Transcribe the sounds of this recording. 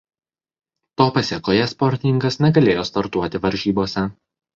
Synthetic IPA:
t̪oːpɐsʲɛkoːjɛspɔɾʲt̪ʲɪnʲɪŋɡɐsnʲɛɡɐlʲeːjoːst̪ɐɾt̪uɔt̪ʲɪʋɐɾʲʒʲiːboːsʲɛ

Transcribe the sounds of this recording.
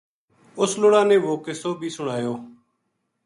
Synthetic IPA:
ʊsloːɽãːnẽːʋoːkesoːbʱiːsʊɽ̃aːjoː

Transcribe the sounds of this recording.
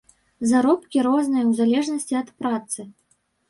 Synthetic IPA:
zaɾɔpkʲiɾɔznɨjɐwzalʲɛʐnɐsʲt͡sʲiɐt̪pɾat̪sɨ

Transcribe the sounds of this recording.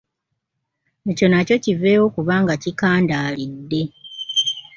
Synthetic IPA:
eco̞naco̞cive̞ːwo̞kuβaːŋɡacikaːndaːlidːe̞

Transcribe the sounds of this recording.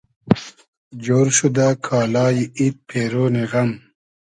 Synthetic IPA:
d͡ʑoːɾɕud̪akʰaːlaːjiit̪̚pʰeːɾoːneɣɐm

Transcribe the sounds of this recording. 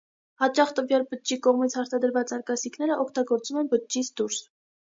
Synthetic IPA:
hɑt͡ʃɑχt̪əvjɑlbət̪̚t͡ʃikɔʁmit͡sʰhɑɾt̪ʰɑd̪əɾvɑt͡sɑɾkɑsikʰnɛɾəʔɔkʰt̪ɑɡɔɾt͡sumɛnbət̪̚t͡ʃit͡sʰd̪uɾs

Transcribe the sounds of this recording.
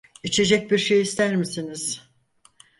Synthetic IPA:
it͡ʃʰe̞d͡ʒɛc̚biɾʃe̞jist̪ʰæɾmisiniz̥

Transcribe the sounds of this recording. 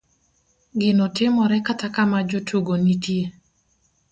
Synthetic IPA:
ɡɪnɔtɪmɔɾɛkatakamad͡ʒotuɡonitje

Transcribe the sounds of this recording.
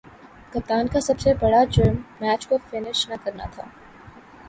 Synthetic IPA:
kɐt̪aːnkasɐbsebɐɽad͡ʒɐɾmːɛːt͡ʃkofɪnɪʃnɐkɐɾna̰t̪ʰa̰ː

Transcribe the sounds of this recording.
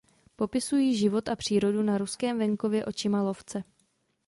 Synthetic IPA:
po̞pɪsujiːʒɪvo̞t̪apr̝̥iːɾo̞dunaɾuskɛːmvɛŋko̞vjɛʔo̞t͡ʃɪmalo̞ft͡sɛ

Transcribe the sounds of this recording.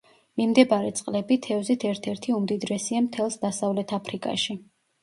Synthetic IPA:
mimd̪ɛbaɾɛt̪sʼqʼlɛbit̪ʰɛvzit̪ʰɛɾt̪ʰɛɾt̪ʰiumd̪id̪ɾɛsiamt̪ʰɛlˠsd̪asavlɛt̪ʰapʰɾikʼa̰ʃi

